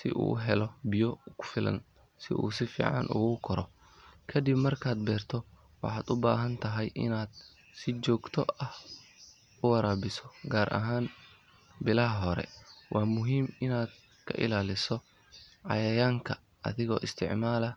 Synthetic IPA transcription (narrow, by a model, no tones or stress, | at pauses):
sɪ̰ʔṵːɦɛlɔbɪjɔkʰʊ̥fɪlɐ̰n | sɪ̰ʔṵːs̬ɪfḭːʕɑ̰nʔṵːɣʊkʰɔɾɔ | kʰɐd̪ɪbmɐrkʰaːd̪̚bɛːrt̪ʰɔ | wɑ̰ħɑːd̪ʊbaːɦɐnt̪ʰɐɦɛjʔɪ̰naːd̪̥̚ | sɪt͡ʃɔːɡt̪ʰɔɐh | ʊwɐɾaːbɪsɔɡaːɾʔɐ̰ɦaːn | bɪlɐɦɐɦɔɾɛ̰wʔɑːmʊɦiːmɪnaːd̪̥̚ | kʰɐ̰ʔɪ̰laːlɪsɔ | ʕɑ̰jɐjaːŋkʰɐ | ɐ̰ðɪɣɔ̰ːʔɪst̪ʰɪʕmaːlɐ